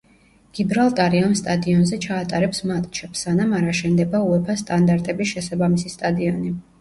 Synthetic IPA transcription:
ɡ̥ibɾalˠt̪ʼaɾiamst̪ʼad̪iɔnzɛt͡ʃʰaːt̪ʼaɾɛpsmat̪ʼt͡ʃʰɛpsːanamaɾaʃɛnd̪ɛbauɛpʰast̪ʼand̪aɾt̪ʼɛbisʃɛsabamisist̪ʼad̪iɔni

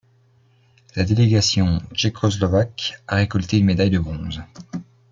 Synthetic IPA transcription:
lad̪eleɡasjɔ̃t͡ʃekʰɔslɔvakaʁekɔlt̪eynmed̪ajd̪əbʁɔ̃z

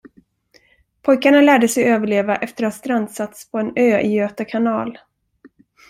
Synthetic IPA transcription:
pʰɔjkaɳalæːɖəsɛjøːvəɭeːvaʔɛft̪əɾast̪ɾand̪sat̪spʰɔɛnøːʔɪøːt̪akʰanɑːl

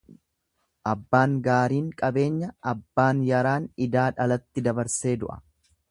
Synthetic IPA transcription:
ʔɐbːaːŋɡaːɾiːŋkʼɐbe̞ːɲːɐɐbːaːnjɐɾaːnɪd̪aːᶑɐlɐt̪ːɪd̪ɐbɐɾse̞ːd̪ʊ̰ʔɐ̥̰

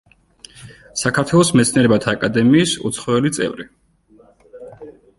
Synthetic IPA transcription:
sakʰaɾt̪ʰwɛlˠɔsmɛt̪sʰniɛɾɛbat̪ʰaːkʼad̪ɛmiːsṵt̪sʰχɔɛlit̪sʼɛ̰vɾi

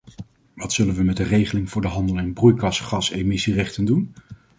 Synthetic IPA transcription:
ʋɑtsɵlənʋəmɛdərejχəlɪŋvʊːɹdəɦɑndəlˠɛnbrujkɑsχɑsemɪsirɛχtəndun

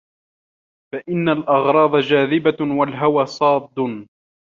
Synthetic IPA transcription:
faʔɪnːalʔɑɣɾˤɑːd̪ˤɑd͡ʒaːðɪbawalɦawaːsˤɑːd̪ːʊn

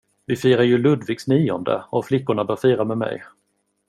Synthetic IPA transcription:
vɪfiːɾaɾjɵlɵd̪vɪɡsniːɔnd̪ə̰ɔflɪkːʊɳabœːɾfiːɾamɛmɛ̰j

